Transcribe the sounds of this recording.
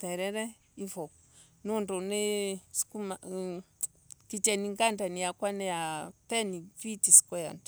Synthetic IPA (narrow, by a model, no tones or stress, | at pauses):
t̪ɛɾɛɾɛ | ifɔ | nundɔneskuma | kit͡ʃɛniŋɡandanijakwanɛatɛnipitisi̥kɔja̰nda